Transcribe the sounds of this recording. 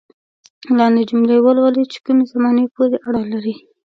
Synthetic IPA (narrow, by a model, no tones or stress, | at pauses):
lɑnd̪ed͡ʒumlewəlwalit͡ʃe̥kumezamɑnepoɾeʔaɽalaɾi